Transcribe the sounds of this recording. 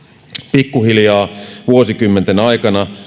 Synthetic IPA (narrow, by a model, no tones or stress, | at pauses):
pikːuhiljɑːʋuosikymːent̪enɑikɑnɑ